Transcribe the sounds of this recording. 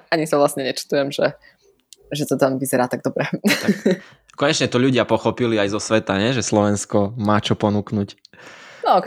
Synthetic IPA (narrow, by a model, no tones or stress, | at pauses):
aɲisaʋlasɲɛɲɛt͡ʃi̥t̪ujɛmʒɛ | ʒɛt̪ɔt̪anʋizɛɾaːt̪aɡ̚d̪ɔbɾɛt̪ak | kɔɲɛt͡ʃɲɛt̪ɔʎuɟɪapɔxɔpiliajzɔsʋɛt̪aɲɛʒɛslɔʋɛnskɔmaːt͡ʃɔpɔnuknucnɔɔk